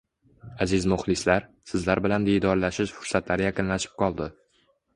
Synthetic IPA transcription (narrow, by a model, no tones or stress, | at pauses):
azɪzmʊχlɪslaɾsɪzlaɾbɪland̪ejd̪ɒɾlaʃɪʃfʊɾsat̪laɾɪjaqɨnlaʃɪ̥p̚qʰɒlˠd̪ɪ